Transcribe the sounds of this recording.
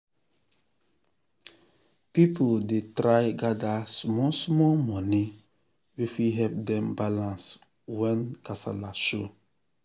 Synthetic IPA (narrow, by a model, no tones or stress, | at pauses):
pipʰodetɾajɡadasmɔsmɔmɔni | wifiɦɛp̚dɛ̃mbalãns | wɛ̃nkasa̰laʃo